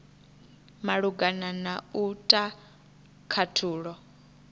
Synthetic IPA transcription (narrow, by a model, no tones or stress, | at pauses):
maɺuɡananautʼa | kʰatʰuːɺɔ